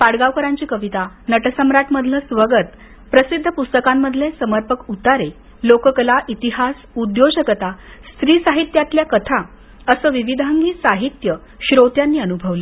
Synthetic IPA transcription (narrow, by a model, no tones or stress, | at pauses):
paɽɡaʋkəɾãɲt͡ɕiːkəʋit̪anəʈsəmɾaʈməd̪ʱləsʋəɡət̪ | pɾəsid̪ʱːəpust̪əkamːəd̪ʱlẽsəməɾpəkut̪aɾe | lokəkəlaʔit̪iɦas | ud̪joɕəkət̪ast̪ɾiːsaɦit̪jat̪ljakət̪ʰa | əsəːʋiʋid̪ʱaŋɡiːsaɦit̪jə | ɕɾot̪janːiːənubʱəʋle